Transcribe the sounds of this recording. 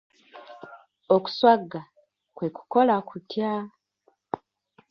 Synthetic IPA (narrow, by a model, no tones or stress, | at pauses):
oku̥swaɡːa | kwe̞ku̥ko̞lakutja